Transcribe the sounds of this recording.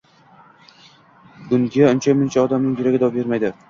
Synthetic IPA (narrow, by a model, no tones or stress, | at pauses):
ɡʊŋɡʲiaʊnt͡ʃʰamɪnt͡ʃʰaɒd̪amnɪŋjʊɾaɡʲɪd̪ɒɒbeɾmajd̪ɪ